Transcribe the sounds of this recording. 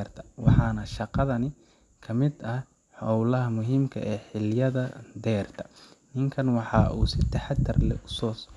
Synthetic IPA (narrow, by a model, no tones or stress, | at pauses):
rt̪ʰɐ̥wɑħɑːnɐʃɑqɑðɐnɪ | kʰɐmɪd̪ɐh | ħɔwlɐɦɐmʊɦiːmkʰɐ̰ʔɛːħɪljɐðɐd̪ɛːrt̪ʰɐ̥nɪŋkʰɐnwɑħɑːʔṵːsɪt̪ʰɐħɑd̪ʰɐrlɛ̰ʊsɔːs